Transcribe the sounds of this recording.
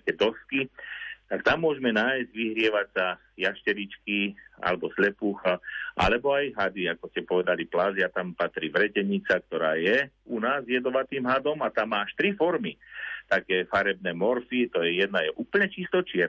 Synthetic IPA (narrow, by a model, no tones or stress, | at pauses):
kɛːd̪ɔskit̪akt̪amːʊɔʒɛmɛnaːjzɟʋiɦɾɪɛʋasa | jaʃcɛɾit͡ʃkia̰lɛbɔslɛpuːxaʔa̰lɛbɔajɦad̪iakɔscɛpɔʋɛd̪aliplazɪat̪ampat̪ɾiːʋɾɛcɛɲit͡sak̚t̪ɔɾaːjɛunaːzjɛd̪ɔʋat̪iːmɦad̪ɔmat̪amːaːaʃt̪ɾifɔɾmit̪akɛːfaɾɛbnɛːmɔɾfit̪ɔjɛjɛd̪najɛʔuːpl̩ɲɛt͡ʃist̪ɔt͡ʃɪɛɾ